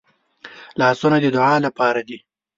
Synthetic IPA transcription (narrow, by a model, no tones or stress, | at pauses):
lɑːsunad̪əd̪ʊʕɑlapɑːɾad̪i